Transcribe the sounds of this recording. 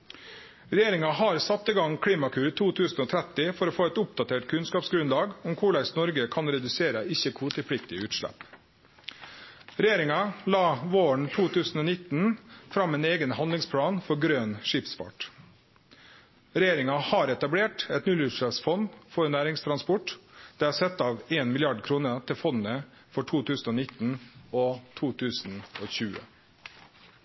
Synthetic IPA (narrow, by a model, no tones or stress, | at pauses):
ɾɛjeːɾɪŋɑɦɑɾsɑt̪ːɪɡɑŋkʰɽiːmɑkʰʉːɾət̪ʰuːt̪ʰʉːsn̩oːt̪ʰɾɛt̪ɪfɔɾoːfoːɛt̪ʊp̚d̪ɑt̪ʰeːʈkʰʉnskɑːpsɡɾʉnlɑːɡʊmkʰʊɭæɪsnɔɾɡəkʰɑnɾɛd̪ʉseːɾəɪçəkʰuːt̪ʰɪlpɽɪk̚t̪ɪʉːt̪ʃʂɭɛ̰p | ɾɛjeːɾɪŋɑlɑːʋoːəɳ̩t̪ʰuːt̪ʰʉːsn̩oːnɪt̪n̩fɾɑmːeːneːɡənhɑnd̪lɪŋspʰlɑːnfɔɾɡɾøːnʂɪpsfɑ̰ʈ | ɾɛjeːɾɪŋɑhɑːɾɛt̪ɑbleːʈɛt̪nʉlʉːt̪ʂɭɛpsfɔnfɔɾnæːɾɪŋst̪ʰɾɑnspɔʈd̪̥ɛːɑɾsɛt̪ːɑːʋeːnmɪlɪɑɖkʰɾuːnət̪ʰɪlfɔnnə | fɔʈʰuːt̪ʰʉːsn̩ɔːnɪt̪n̩ɔt̪ʰuːt̪ʰʉːsn̩oːçʉːə̰